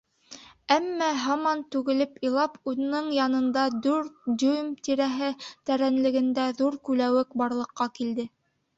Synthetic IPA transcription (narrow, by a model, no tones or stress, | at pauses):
æmːæɦɑmɑnt̪ʉɡɘ̆lɘpĭjlˠɑpʰuðɘ̆nɤɴjɑnɤ̆nd̪ɑd̪ʉɾd̪ɵjmt̪iɾæɦɘt̪æɾænlɘ̆ɡɘ̆nd̪æðuɾkʉlæwɘkbɑɾlˠɤ̆qːɑkild̪ɘ